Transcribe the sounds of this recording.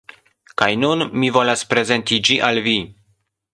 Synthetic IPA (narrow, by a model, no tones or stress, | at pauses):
kajnunmivo̞laspɾe̞ze̞ntid͡ʒiʔalvi